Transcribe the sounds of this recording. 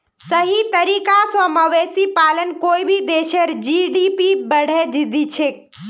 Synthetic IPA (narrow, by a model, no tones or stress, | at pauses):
səɦit̪ɐɾiːkasəməʋeːsipaːlənkoːibʱid̪eːʃəɾd͡ʒiɖipibəɽ̤ed͡ʒid̪it͡ʃʰeː